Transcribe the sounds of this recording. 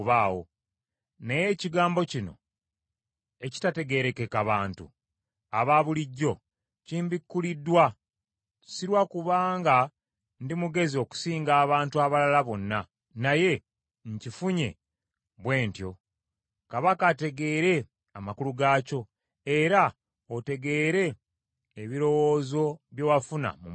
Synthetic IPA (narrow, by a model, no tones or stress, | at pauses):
βaːwo̞̰ | neje̞ciɡaːmbo̞cino̞̰ | e̞ci̥tate̞ɡe̞ɾe̞kekaβaːntṵ | a̰βaβuliɟːo̞ | ciːmbikːulidːwa | siɾwakuβaːŋɡa | ndimuɡe̞zio̞ku̥siːŋɡaːβaːntuaβalalaβo̞nːa | naje̞ | ɲcifuɲe̞̰ | βwe̞ːntjo̞̰ | kaβakate̞ɡe̞ːɾe̞ | amakuluɡaːco̞ | e̞ɾa | ote̞ɡe̞ːɾe̞ː | βiɾo̞wo̞ːzo̞βjowafuna̰mu